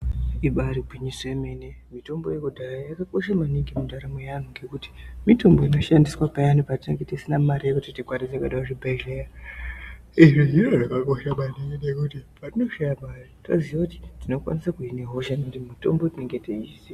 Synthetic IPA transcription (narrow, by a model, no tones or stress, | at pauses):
iɓaɾibʱiɲiseme̞ne̞mito̞mbo̞̰jekudʱarajakako̞ʃamaniŋɡimundaɾamojan̤uŋɡe̞kuti̥mito̞mbo̞ino̞ʃandiswapajanupatineŋɡetisinamaɾijekutitikwaɾid͡zakaɗaaʐibʱaireja | iʐiɦiroʐakakoʃamaniŋɡinekutipatino̞ʃajamaːrita̰ziʋakuti̥tino̞kwa̰nisakuineɦo̞ʃanekutimito̞̰mbotine̞ŋɡe̞teiise